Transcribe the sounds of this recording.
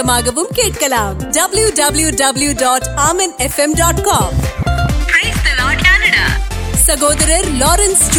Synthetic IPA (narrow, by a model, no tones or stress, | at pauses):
ɐmaːɡɐbumkeːʈ̚kɐlaːmɖɐbljuɖɐbljuɖɐbljuɖɔːʈaːmɐnefemɖɔːʈkɔːmpɾeːst̪ɐlɔːʈkaːnɐɖa̰ːsɐɡoːd̪ɐɾɐɾlɔːɾɐnst͡ʃ